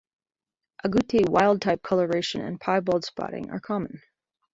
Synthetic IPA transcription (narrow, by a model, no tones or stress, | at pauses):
ʔəɡutʰiwaɪlˠd̚tʰaɪp̚kʰʌlˠə˞eɪʃɨ̃nɨ̰̃npʰaɪbolˠd̥spɑ̰ɾɪ̰̃ŋə̰˞kʰɑmə̃n̩